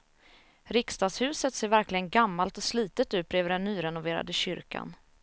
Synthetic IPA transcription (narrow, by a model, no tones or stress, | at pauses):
ɾɪkst̪ɑːɡshʉ̟ːsət̪seːɾvæɾklɪɡənɡamːalt̪ɔsliːt̪ət̪ʉ̟ːt̪̚bɾeːvəɖɛnːyːɾɛnʊveːɾa̰d̪əɕʏɾka̰n